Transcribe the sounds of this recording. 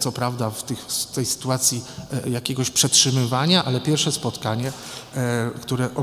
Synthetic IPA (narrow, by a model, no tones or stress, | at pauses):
t̪sɔpɾavd̪aft̪ɘxt̪ɛjsɘ̥t̪uat̪sʲjijakʲeɡɔɕpʂɛtʂɘmɘvaɲaʔalɛpʲjɛɾfʂɛspɔt̪kaɲɛ | kt̪uɾɛʔɔ